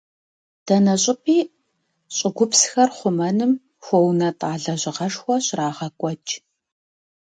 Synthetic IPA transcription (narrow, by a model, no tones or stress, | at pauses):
d̥ɐnɐɕʼɪpʼiː | ɕʼɪɡʷʊpsxɐrχʷʊmɐnɨm | xʷɔwnɐtʼaːɮɐʑɪʁɐʂxʷɔɕraːʁɐkʷʼɔt͡ʃʼ